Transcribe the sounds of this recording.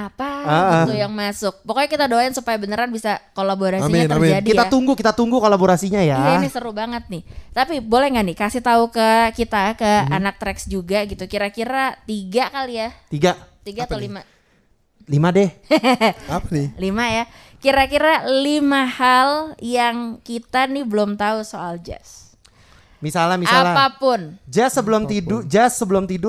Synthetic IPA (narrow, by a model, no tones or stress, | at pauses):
apaat̪ujaŋmasʊk̚pəkoɲakit̪adoaɪnsupajabənəɾanbisakolaboɾasiaərd͡ʒadikit̪at̪uŋɡukit̪at̪uŋɡukolaboɾasiɲajaanɪsəɾubaŋət̪̚nɪht̪apibolɛŋɡanɪkasɪht̪aukəkit̪akəa̰nak̚t̪ɾɛksd͡ʒuɡaɡit̪ukiɾakiɾat̪iɡakalijat̪iɡat̪iɡatalima | limadɛ | palimaja | kiɾakiɾalimahaljaŋkit̪anɪbəlʊmt̪ausoald͡ʒa̰s | misalamisaalapapʊnd͡ʒasəbəlʊmt̪idʊd͡ʒasːəbəlʊmt̪idʊ